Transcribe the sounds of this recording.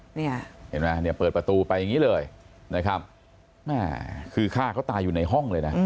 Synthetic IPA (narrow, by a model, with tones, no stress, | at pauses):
ni˥˩ɐhḛ˨˩˦nma˦˥ni˥˩ɐpɤː˨˩t̪̚pɾa˧t̪uː˧pa˧jːa˨˩ŋiː˦˥lɤː˧jna˦˥kʰɾa˦˥p̚ | mɛː˥˩kʰɯː˧kʰaː˥˩kʰaː˦˥˩wt̪aː˧juː˨˩na˧jɦɔ˥˩ŋlɤː˧jna˦˥